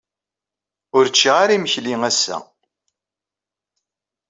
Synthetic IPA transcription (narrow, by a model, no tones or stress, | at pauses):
ʊɾt͡ʃːiʁaɾiməçliŋæsːæ̰